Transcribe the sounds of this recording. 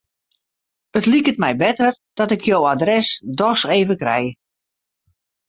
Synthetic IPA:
ətlikət̚mɛjbɛtərd̥ɔtɪkʰjowadrɛsdɔseːvəkrɛj

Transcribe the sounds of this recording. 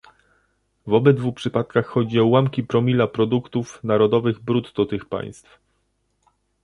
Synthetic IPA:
vɔbɛd̪vupʂɘpat̪kaxːɔd͡ʑiɔwamkʲipɾɔmʲilapɾɔd̪ukt̪ufnaɾɔd̪ɔvɘɣbɾut̪d̪ɔt̪ɘxpa̰j̃st̪f

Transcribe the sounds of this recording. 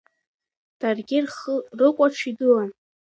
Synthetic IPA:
d̥arɡʲɪrχrɨkʷʼaʈ͡ʂʰidɨlan

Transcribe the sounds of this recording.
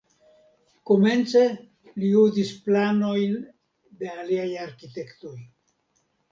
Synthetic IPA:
ko̞me̞nt͡se̞ | liudisplano̞jn | de̞aliajaɾkit̪e̞kt̪o̞j

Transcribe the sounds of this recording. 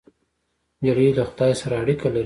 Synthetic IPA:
d͡ʒaɾilaxʊ̥t̪ɑjsaɾaːɽikalaɾ

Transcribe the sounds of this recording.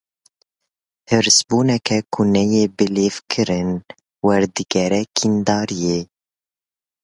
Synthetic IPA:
hɨɾsbuːnɛkʰɛkʰunɛjeːbɨleːvkʰɨɾɨn | wɛɾd̪ɨɡɛɾɛkʰind̪ɑːɾijeː

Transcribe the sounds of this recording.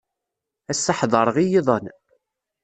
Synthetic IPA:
æsːɑħðˤəɾˤʁijiðˤən

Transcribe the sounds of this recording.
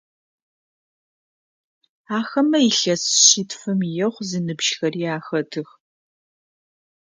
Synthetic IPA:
aːxɐmɐiɬɐsɕitfɨmijɛχʷzɨnɨbʒxɐriːaːxɐtʰɨx

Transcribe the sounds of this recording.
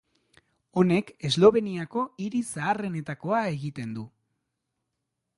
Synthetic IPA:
o̞ne̞ke̞zlo̞βe̞niako̞iɾisaːre̞ne̞t̪ako̞ae̞ɣit̪e̞nd̪u

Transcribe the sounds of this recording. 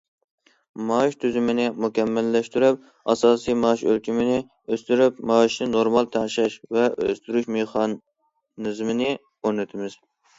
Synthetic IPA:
mɑʃt̪ʰyzymɪnɪmukʲʰɛmːælːɛʃt̪yɾyp̚ | ɑsɑːsijmɑʃølkʲimɪnɪ | øst̪yɾypmɑʃnɪnoɾmɑlˠt̪ʰæʁʃɛʃvɛø̰st̪yɾyʃmeχɑ | nɨzmɪnɪ | oɾnɪt̪ʰɪmɪz̥

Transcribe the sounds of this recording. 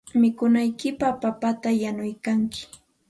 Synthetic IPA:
mɪkʊnajkɪpapapat̪ajanʊjkaŋkɪ̥

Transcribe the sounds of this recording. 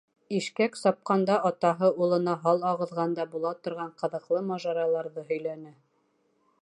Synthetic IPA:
iʃkæksɑp̚qɑnd̪ɑʔɑt̪ɑɦɤulˠɤ̆nɑɦɑlˠɑʁɤ̆ðʁɑnd̪ɑbulˠɑt̪ŏɾʁɑɴqɤ̆ðɤ̆qlˠɤmɑʒɑɾɑlˠɑɾðɤɦɵ̆jlænɘ

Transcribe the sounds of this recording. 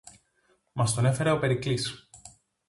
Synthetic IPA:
mɐst̪one̞fe̞ɾeo̞pe̞ɾiklis

